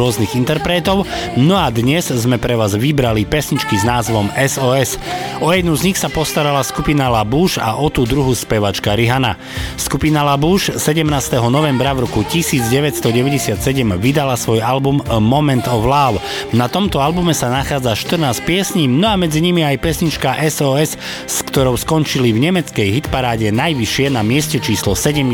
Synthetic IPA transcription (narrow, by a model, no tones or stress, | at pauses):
ɔzniɣint̪ɛɾpɾɛt̪ɔʊnɔad̪ɲɛzzmɛpɾɛʋaːzʋibɾalipɛsɲit͡ʃkiznaːzʋɔmɛzɔːɛsɔjɛd̪nuzɲixsapɔst̪aɾalaskupinalabuːʃa̰ʔɔt̪uːd̪ɾuɦuspɛʋat͡ʃkaɾiɦana̰ | skupinalabuːʃsɛɟɛmnaːst̪ɛɦɔnɔʋɛmbɾavɾɔkucisiːd͡zɟɛʋɛt̪st̪ɔɟɛʋɛɟɛsɪat̪sɛɟɛmʋid̪alasʋɔjalbumːɔmɛnt̪ɔʋlaːw | nat̪ɔmt̪ɔalbumɛsanaxaːd͡zaʃt̪ər̩naːsc̚pɪɛsɲiːmnɔamɛd͡ziɲimiajpɪɛsɲit͡ʃkaʔɛsɔːɛs | skt̪ɔɾɔʊskɔnt͡ʃilivɲɛmɛt͡skɛjɦit̪paɾaːɟɛnajʋiʃɪɛnamɪɛscɛt͡ʃiːslɔsɛɟɛm